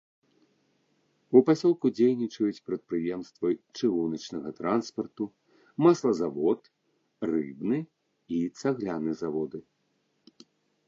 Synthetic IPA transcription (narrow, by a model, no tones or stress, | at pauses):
upasʲɔlˠkud͡zʲejnʲit͡ʂɐjut͡sʲpɾɐt̪̚pɾɨjɛmst̪vɐt͡ʂɨɣunɐt͡ʂnɐɣɐt̪ɾanspɐrt̪u | maslˠɐzavɔt̪ | rɨ̰bnɨ | it̪saɣlʲanɨzavɔd̪ɨ